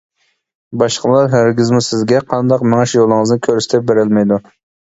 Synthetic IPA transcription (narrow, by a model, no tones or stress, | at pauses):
bɑʃqəlˠɑɾɦeɾɡʲɪzmʊsɪzɡʲɛqʰɑnd̪ɑqmɪŋɛʃjolˠɨŋɨznɪkʲʰøɾyst̪ʰɛp̚beɾɪlmɛjd̪u